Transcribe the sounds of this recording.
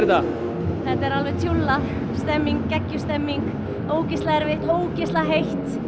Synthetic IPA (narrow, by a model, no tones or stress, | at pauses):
ɾɪt̪a | θɛht̪ɛɾalvɛt̪ʰjulːa | st̪ɛmːiŋkcɛcːʏst̪ɛmːiŋk | oːwcɪst̪laɛɾvɪoːwcɪst̪laɦejht̪